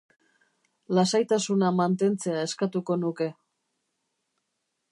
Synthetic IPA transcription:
lasajt̪asunamant̪e̞nt͡se̞aeskat̪uko̞nuke̞

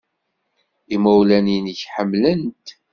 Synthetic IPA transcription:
imæwlæninəçħəmːlənt̪

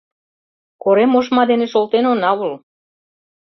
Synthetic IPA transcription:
koɾemoʃmɑd̪eneʃolt̪enonɑβəl

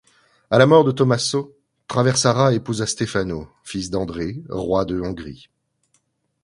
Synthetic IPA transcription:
alamɔʁd̪ət̪ɔmaso | t̪χavɛʁsaʁaepuzast̪efano | fisd̪ɑ̃d̪ʁeʁwad̪əɔ̃ɡʁḭ

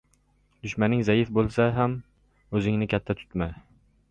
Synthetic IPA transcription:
d̪ʊʃmanɪŋzajɪfbolˠsaɦam | ɵzɪŋnɪkʲʰat̪ʰːat̪ʰʊ̥t̪ma

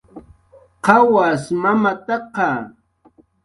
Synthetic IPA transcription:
qɑwasmamat̪ɑqɑ

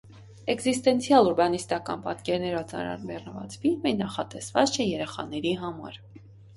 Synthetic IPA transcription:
ɛɡzist̪ɛnt͡sʰjɑluɾbɑnist̪ɑkɑ̰npɑt̪kɛɾnɛɾɔt͡sɑ̰nɾɑ̰nbɛrnəvɑ̰t͡sfilmɛnɑχɑt̪ɛsvɑt͡st͡ʃʰɛjɛɾɛχɑ̰nɛɾiɦɑmɑ̰ɾ

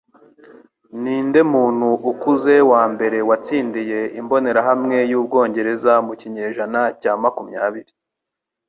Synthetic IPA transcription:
niːnde̞muːn̥huʔukuze̞waːmbe̞ɾe̞wat͡siːndije̞imbo̞ne̞ɾaɦamŋe̞juːb̚ɡo̞ːɲɟe̞ɾe̞zamuciɲe̞ːʒanacaːmakumɲaːβiɾi

